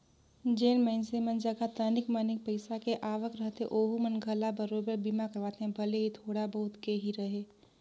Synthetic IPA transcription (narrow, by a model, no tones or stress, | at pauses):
d͡ʒeːnmɛ̃ɪnsemənd͡ʒəɡat̪ənɪkmənɪk̚pəɪsakeʔaːʋəkɾəɦt̪ɦḛʔoːɦumənɡʱəlabɐɾoːbəɾbimakɐɾʋaːt̪eɦɛ̃bʱɐleɦit̪ʰoːɽabɐɦʊt̪keːɦiɾɐɦeː